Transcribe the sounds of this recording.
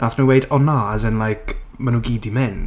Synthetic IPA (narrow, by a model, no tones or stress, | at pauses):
naθnuwejdɔnaːzənlajkʰmanuɡiːdimɪn